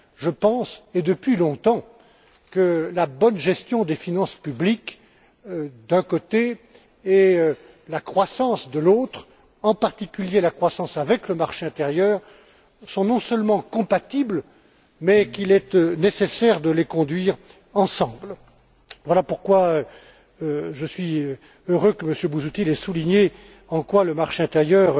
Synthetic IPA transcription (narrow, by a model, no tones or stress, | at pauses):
ʒəpɑ̃sed̪əpɥilɔ̃t̪ɑ̃ | kəlabɔnʒɛst̪jɔ̃d̪efinɑ̃spyblik | d̪ɛ̃kot̪eː | ø | lakχwasɑ̃sd̪əlot̪χ | ɑ̃paʁt̪ikʲyljelakχwasɑ̃savɛkləmaʁʃeɛ̃t̪eʁjœːʁ | sɔ̃nɔ̃sœlmɑ̃kɔ̃pat̪ibl | mɛkilɛt̪ønesesɛʁd̪əlekɔ̃d̪ɥiːʁ | ɑ̃sɑ̃bl | vwalapuʁkwaø | ʒəsɥi | øʁøkəməsjøbuzut̪ilɛsuliɲe | ɑ̃kwaləmaʁʃeɛ̃t̪eʁjœʁ